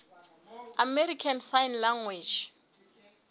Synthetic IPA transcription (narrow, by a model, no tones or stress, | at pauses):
amɛɾikʰansajnlaŋwed͡ʒ